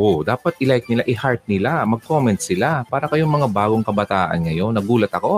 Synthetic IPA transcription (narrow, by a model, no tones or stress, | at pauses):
ʔod̪aːpɐt̪̚ʔɪlajk̚nɪlaʔɪhaɹt̪̚nɪlamɐɡ̚komɛnt̪̚sɪlapaːɾɐkɐjoŋmɐŋabaːɡo̞ŋkɐbɐt̪aːʔɐ̰nŋɐjo̞nːɐɡuːlɐt̪ɐko̞